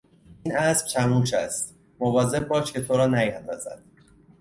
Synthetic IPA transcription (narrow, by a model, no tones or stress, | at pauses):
iːnæsb̥t̪ʰæmuːʃʰæst̪ | movɒːze̞b̚bɒːʃcʰe̞t̪ʰo̞ɾɒːnæjænd̪ɒ̰ːzæ̰d̪̥̚